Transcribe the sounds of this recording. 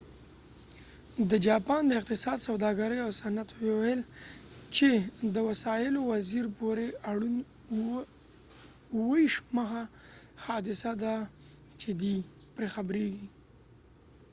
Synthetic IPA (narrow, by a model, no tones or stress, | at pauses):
d̪əd͡ʒɑpɑnd̪əɪq̚t̪ɪsɑd̪sawd̪ɑɡaɾəjawsanat̪wewajlt͡ʃed̪əwasɑjɪlowaziɾpoɾeaɽun | wəiʃməxaxɑd̪ɪsad̪a | t͡ʃed̪i | pɾexabɾeɡi